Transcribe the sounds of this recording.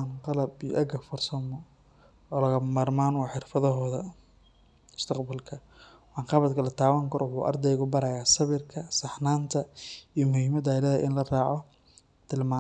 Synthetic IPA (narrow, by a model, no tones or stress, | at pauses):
nqɑlɐbijʔɐɡɐfɔrsɐmɔ | ɔːlɐɣɐmaːrmaːnwɑħɪrfɐðɔɦɔːðɐ | ʊst̪ʰɐqbɐlkʰɐ | wɑːnqɑβɐd̪kʰɐlɐt̪ʰaːwaŋkʰɐɾɔwʊħuːʔɐ̰rd̪ɛjɣʊbɐɾɐjaːsɐβɪrkʰɐsɑħnaːnt̪ʰɐijmʊhiːmɐd̪aɪlɐɐʔɪnlɐraːʕɔ | t̪ʰɪlmaː